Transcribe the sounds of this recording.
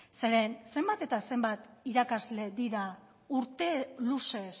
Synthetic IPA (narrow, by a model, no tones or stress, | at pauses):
se̞ɾe̞nse̞mbat̪e̞t̪ase̞mbat̪iɾakazle̞ðiɾa | uɾt̪e̞luse̞s